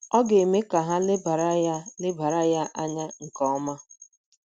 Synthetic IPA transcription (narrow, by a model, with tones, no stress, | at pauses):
ɔ˦ɡe˨me˦ka˨ɦa˦lɪ˦ba˨ɾa˦ja˦lɪ˦ba˨ɾa˦ja˦ʔa˦ɲa˦ŋ̩˨kɔ˦ɔ˦ma˦